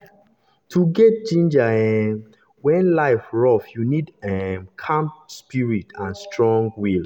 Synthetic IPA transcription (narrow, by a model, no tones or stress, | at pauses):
tʰuɡɛt̚d͡ʒĩnd͡ʒaɛ | wɛ̃nlaɪfɹɔfjunidɛmkʰãmpspiɹitʰãnstʰɹɔ̃ŋɡwil